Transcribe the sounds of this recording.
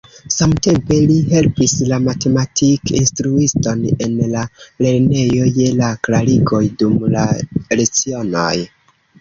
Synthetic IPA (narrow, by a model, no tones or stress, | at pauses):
samte̞mpe̞liɦe̞lpislamate̞matʰikinstɾuisto̞ne̞nlale̞ɾne̞jo̞je̞laklaɾiɡo̞jdumla̰ɾet͡sio̞no̰j